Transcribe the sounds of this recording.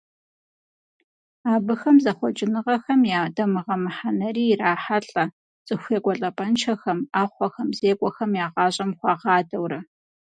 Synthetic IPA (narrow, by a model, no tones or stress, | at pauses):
aːbɨxɐmzɐχʷɔt͡ʃʼɪnɨʁɐxɐmjaːdɐmɨʁɐmɨħanɐriːraːħaɬʼɐ | t͡sʼɨxʷeːkʷʼɔɬʼɐpʼɐnt͡ʃʰɐxɐmaːχʷɔxɐmzeːkʷʼɔxɐmjaːʁɑːɕʼɐmχʷɑːʁɑːdɐwɾɐ